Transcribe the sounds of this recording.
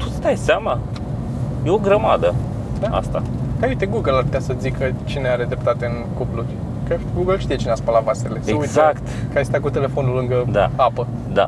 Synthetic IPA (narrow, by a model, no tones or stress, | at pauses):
t̪u̥t̪sd̪ajseama | jeo̞ɡɾəmad̪ə | d̪aa̰st̪a̰kaijt̪eɡuɡəlarput̪ʲasəzikət͡ʃineaɾe̞d̪ɾep̚t̪at̪eɨnkuplurʲ | kaɡuɡəlʃt̪ijet͡ʃineaspalavaseleseəɡujtzakt̪kəajst̪ak̬ut̪e̞le̞fo̞nulɨŋɡəd̪a̰apə | d̪a̰